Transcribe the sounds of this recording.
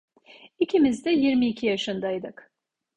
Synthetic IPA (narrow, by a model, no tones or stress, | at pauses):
icʰimizd̪ɛjiɾmiːcʰijaʃɯnd̪ajd̪ɯk